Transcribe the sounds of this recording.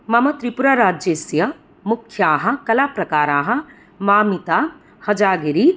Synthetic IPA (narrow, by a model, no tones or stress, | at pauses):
mɐmɐt̪ɾipuɾaːɾaːd͡ʒjesjɐ | mukʰjaːɦɐ̆kɐlaːpɾɐkaːɾaːɦɐ̆ | maːmit̪aː | hɐd͡ʒaːɡɐɾi